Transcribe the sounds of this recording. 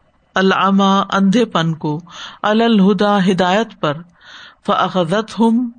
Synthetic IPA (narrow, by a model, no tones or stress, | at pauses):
ɐlʕɐmaːɐ̰̃nd̪ʱepɐnkoɐlalɦʊd̪aːɦɪd̪aːjət̪pɐɾ | fɐʔɐxɐðɐt̪ɦʊm